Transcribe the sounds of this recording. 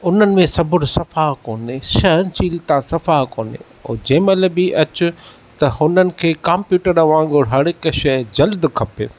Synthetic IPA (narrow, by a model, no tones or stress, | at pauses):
ʊnənɪ̆mẽsɐbʊɽsɐfaːɦkoːneːʃɐɦənt͡ɕiːlt̪ãsɐfaːɦko̰ːnḛ | oːd͡ʑeːməlbɪʔɐt͡ɕʊ | t̪ɐhʊnənɪ̆kʰeːkãːmpjuːʈəɾaʋãːŋ̆ɡʊɽɦɐɽɪkʃɐd͡ʑɐld̪kʰɐpe